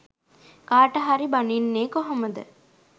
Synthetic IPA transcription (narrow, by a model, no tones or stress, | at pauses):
kaːʈɐɦaɾibaninːeːkoɦoməd̪ə̰